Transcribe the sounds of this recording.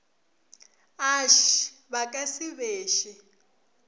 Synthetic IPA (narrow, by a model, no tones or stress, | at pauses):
aʃβakʼasiβeːʃi